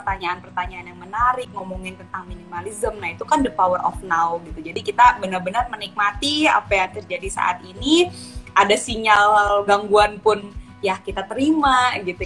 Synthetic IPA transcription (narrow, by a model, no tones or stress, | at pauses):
pərt̪aɲaʔːnpərt̪aɲaːnjaŋmənaɾɪk̚ŋomuŋɪnt̪ənt̪aŋminimalizəmnahit̪ukandəpawərʔɔ̰fnawɡit̪ud͡ʒadikit̪abənərbənərmənik̚mat̪ia̰pajaŋt̪ərd͡ʒadisa̰ʔa̰t̪ini | ʔadasiŋalɡaŋɡuanpʊn | jahkit̪at̪əɾimaɡit̪u